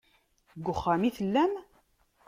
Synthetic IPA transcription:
ɡʷːʊχːamiθəlːæm

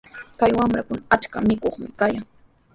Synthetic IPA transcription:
kajwamɾakʊnaat͡ʃkamɪkoχmɪkajaŋ

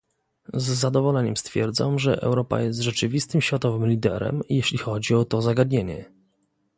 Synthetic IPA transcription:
zːad̪ɔvɔlɛɲɛmst̪fʲjɛɾd̪zamʐɛ̰ʔɛ̰wɾɔpa̰jɛst̪ʐɛt͡ʂɘvʲist̪ɘmɕfʲat̪ɔvɘmlʲid̪ɛ̰ɾɛ̰mjeɕlʲixɔd͡ʑiɔt̪ɔzaɡad̪ɲeɲɛ̰

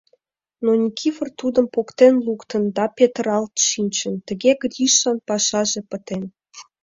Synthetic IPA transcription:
nonʲikʲʰifə̆rt̪ud̪ə̆mpokt̪enlukt̪ə̆nd̪ɑpʲet̪əɾɑlt̪ʃinʲt͡ɕə̆nt̪ə̆ɣʲeɡrʲiʃːɑnpɑʃɑʒĕpə̆t̪en

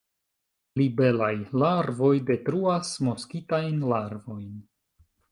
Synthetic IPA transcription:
libe̞lajlaɾvo̞jde̞tɾuasmo̞skitajnlaɾvo̞jn

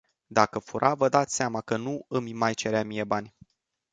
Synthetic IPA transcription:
d̪akəfuɾʔavəd̪at̪sʲseamakənuɨmmajt͡ʃe̞ɾeamije̞banʲ

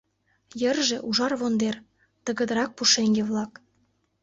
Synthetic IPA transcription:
jərʒĕʔuʒɑrβond̪er | t̪əɣə̆d̪əɾɑk̚puʃeŋɡeβlɑk

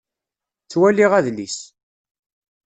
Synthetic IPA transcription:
t͡sːwæliʁæðlis

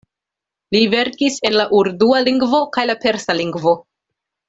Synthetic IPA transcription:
live̞ɾkise̞nlaʔuɾdualiŋɡvo̞kajlape̞ɾsaliŋɡvo̞

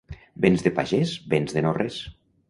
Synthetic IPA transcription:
benzðepaʒezbenzðenores

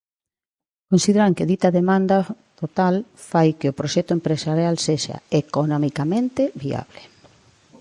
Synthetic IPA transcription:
konsiðeɾaŋkɪðit̪ɐðemãnd̪a | t̪ot̪alfajkeopɾoʃɛt̪oempɾesaɾjalseʃa̰ekonomikamẽnt̪eβia̰βle̥

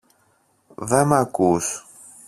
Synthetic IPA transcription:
ðemakus

